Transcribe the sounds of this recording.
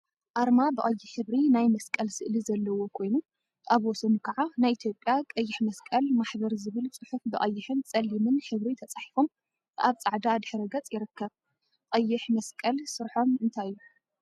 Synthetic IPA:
ʔaɾmabɨʔʼɐjːɪħɨβɾinajmɐskʼɐlsɨʔlizɐlːɐwo̞kʰo̞jnu | ʔaβwɔsɐnukʰɐʕanajʔit̪ʰjo̞pʼjakʼɐjːɪħmɐskʼɐlmaħβɐɾzɨβɨlt͡sʼɨħufbɨʔʼɐjːɪħɨnt͡sʼɐlːimɨnħɨβɾit̪ʰɐt͡sʼaħi̥fo̞m | ʔaβt͡sʼaʕd̪ad̪ɨħɾɐɡɐt͡sʼjɪɾɨkːɐβ | qʼɐjːɪħmɐskʼɐlsɨɾħo̞mɨnt̪ʰajːu

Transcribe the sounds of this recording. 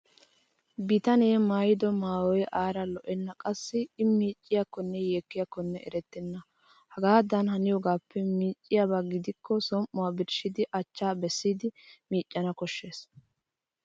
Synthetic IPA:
bɪt̪ɐneːmaːjɪd̪ɔmaːwɔjʔaːɾɐlɔʔɛnːɐkʼɐsːɪɪmiːt͡ʃʼːɪjakːɔnːɛjeːkːɪjakːɔnːɛʔɛ̰ɾɛt̪ːɛnːɐ | hɐɡaːd̪ɐnhɐnɪjɔɡaːpʰːɛmiːt͡ʃʼːɪjabaɡɪd̪ɪkːɔsɔmʔʊwaːbɪɾʃɪd̪ɪʔɐt͡ʃːaːbɛsːiːd̪ɪmiːt͡ʃʼːɐnɐkɔʃːe̞ːs

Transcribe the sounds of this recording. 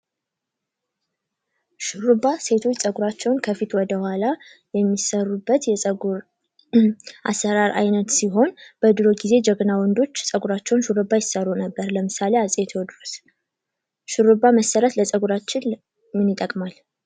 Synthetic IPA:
ʃɨɾubase̞t̪ʰo̞t͡ʃːsʼəɡuɾat͡ʃːɛwnkʰəfit̪wɔd̪əhwala | jɛmːisərːubːət̪jɛsʼəɡuɾ | ʔa̰sːəɾaɾʔa̰jnət̪siɦo̞nb̥əd̪ɨɾo̞ɡize̞d͡ʒəɡnawɔnd̪o̞t͡ʃːsʼəɡuɾat͡ʃːɛwnʃɨɾɨbːajɪsərːunəbːəɾləmɨsaleasʼet̪ʰwd̪ɾos | ʃɨɾubaməsəɾət̪ləsʼəɡuɾat͡ʃːɪn | mɨnit̪ʼəkʼmal

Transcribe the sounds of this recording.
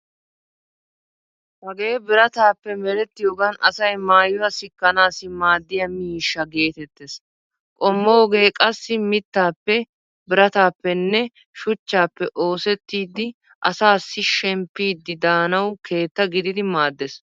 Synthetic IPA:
hɐɡe̞ːbɪɾɐt̪aːpːɛmɛɾɛt̪ːɪjoːɡɐnɐsɐjmaːjʊwɐsɪkːɐnaːsɪmaːd̪ːɪjɐmiːʃːɐɡe̞ːt̪ɛt̪ːes | kʼɔmːoːɡe̞ːkʼɐsːɪmɪt̪ːaːpːɛ | bɪɾɐt̪aːpːɛnːɛ | ʃʊt͡ʃːaːpːɛʔo̞ːsɛt̪ːiːd̪ːɪ | ʔɐsaːsːɪʃɛmpːiːd̪ːɪd̪aːnɐwkʰe̞ːt̪ːɐɡɪd̪ɪd̪ɪmaːd̪ːɛs

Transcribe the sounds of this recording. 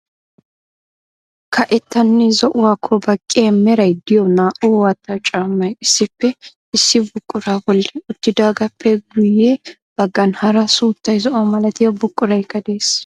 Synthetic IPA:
kʰɐʔɛt̪ːɐnːɪzɔʔʊwaːkʰːɔbɐkʼːeːmɛɾɐjd̪ɪjɔnaːʔowɐt̪ːɐt͡ʃʼaːmːɐjɪsːɪpːɛ | ɪsːɪbʊkʼːʊɾaːbɔlːɛʊt̪ːɪd̪aːɡɐpʰːɛɡʊjːe | b̥ɐɡːɐnhɐɾɐsuːt̪ːɐjzɔʔɔmɐlɐt̪ɪjɔbʊkʼːʊɾɐjkːɐd̪eːs

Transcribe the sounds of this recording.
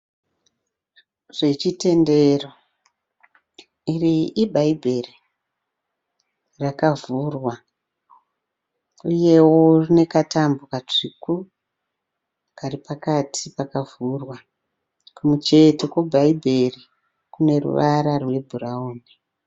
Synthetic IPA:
ʐ̥e̞t͡ʃite̞nde̞ro̞ | iriʔːbʱaibʱe̞ri | rakavuːrwa | uje̞wo̞rine̞katambukat͡ʂiku | karipakatʰipakavurwa | kumut͡ʃe̞te̞kobʱaibʱe̞ri | kune̞rṵʋaɾarwe̞bʱuɾauːni

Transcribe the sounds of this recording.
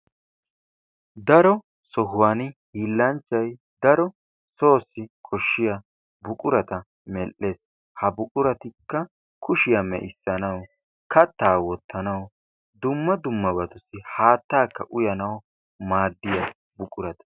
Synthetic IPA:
d̪ɐɾɔ | sɔɦʊwaːnɪhiːlːɐnt͡ʃːɐj | d̪ɐɾɔ | so̞ːsːɪkʰɔʃːɪjɐ | bʊkʼʊɾɐt̪ɐ | mɛlʔːe̞ːs | hɐbʊkʼʊɾɐt̪ɪkːɐ | kʰʊʃɪjɐmɛ̰ʔɪsːɐnɐw | kʰɐt̪ːaːwɔt̪ːɐnɐw | d̪ʊmːɐd̪ʊmːɐbɐt̪ʊsɪhaːt̪ːaːkːɐʔʊjɐnɐw | maːd̪ːɪjɐ | bʊkʼʊɾɐt̪ɐ̥

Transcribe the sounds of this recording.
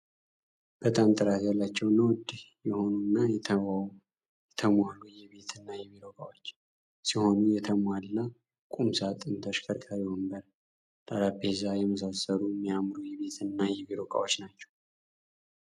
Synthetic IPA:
b̥ət̪ʼamt̪ʼɨɾat̪jalːat͡ʃːɛwnəwd̪jɛho̞nunːajɛ | jɛt̪ʰəmalːujɛβe̞t̪ʰɨnːajɛβiɾokʼawot͡ʃː | siho̞nujɛt̪ʰəmalɨnːa | kʼumsat̪ʼɨnt̪ʰəʃkʰəɾkʼəɾiwɨmbəɾ | t̪ʼaɾabezajɛməs̬asəɾumːijamɾujɛβe̞t̪ʰɨnːajɛβiɾokʼa̰wot͡ʃːnat͡ʃːɛ̥w

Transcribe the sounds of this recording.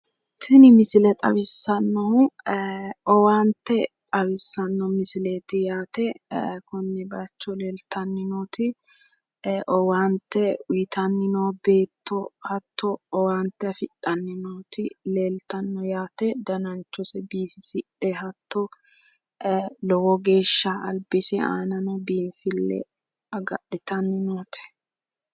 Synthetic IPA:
sɪnɪmɪsɪlɛt̪ʼɐ̰bɪsːɐnːɔhʊ | ɔwaːnt̪ːɛ | ɐbɪsːɐnːɔmɪsɪleːt̪ɪjaːt̪ɛkʊnːɛbɐt͡ʃːɔleːlt̪ʰɐnːɪnoːt̪ɪ | ʔɔwaːnt̪ːɛʊjt̪ʰɐnːɪnobe̞ːt̪ːɔhɐt̪ːɔɔwaːnt̪ːɛɐfɪᶑɐnːɪnoːt̪ɪleːlt̪ɐnːɔjaːt̪ɛd̪ɐnɐnt͡ʃːɔsɛbiːfɪsɪᶑɛhɐt̪ːɔ | lɔwɔɡe̞ːʃːɐɐlbɪsɛa̰ːnɐnɔbiːfɪlːɛ̰ | ɐɡɐɗɪt̪ɐnːɪnoːt̪ɪ̥

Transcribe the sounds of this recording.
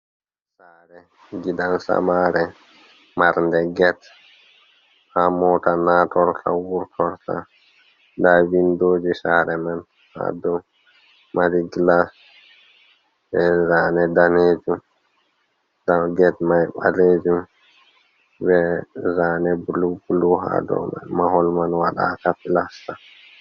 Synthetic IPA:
saːɾɛ | ɡidansa̰maːɾɛ | maɾndɛɡɛt | hamɔːtanaːtɔɾta̰wuɾtʰɔɾta̰ | dawindoːd͡ʒisaːɾɛman | ha̰dɔ | maɾiɡilas | bɛzaːnɛdaneːd͡ʒum | daɡɛtmajɓa̰leːd͡ʒum | bɛzaːnɛbulubuluɦa̰dɔ̰ma̰maɦɔlmanwaɗa̰ːkafilasta

